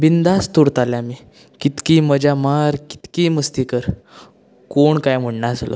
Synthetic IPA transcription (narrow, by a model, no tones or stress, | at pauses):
bind̪ast̪uɾt̪aljami | kit̪kiməd͡ʑamaɾki̥t̪kiməst̪ikəɾ | koɳkajm̤əɽnaslo̰